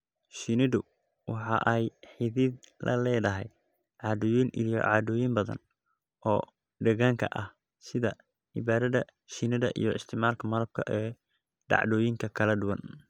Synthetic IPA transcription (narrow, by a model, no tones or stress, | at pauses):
ʃinɪðʊ | wɑħɑʔɛjħɪðɪdlɐ̰lɛːðɐɦɛj | ʕɑːðɔjinʔijɔ̰ʕɑːd̪ʊːjimbɐðɐ̰n | ɔː | ɖɐɣaːŋkʰɐ̰ʔɐh | sɪðɐ | ʕɪ̰βaːðɐðɐ | ʃinɪðɐʔḭjɔɪst̪ʰɪmaːlkʰɐmɐɾɐb̚kʰɐ̰ʔɛː | ɖɑ̰ʕdɔːjɪŋkʰɐkʰɐlɐɖʊwɐ̰n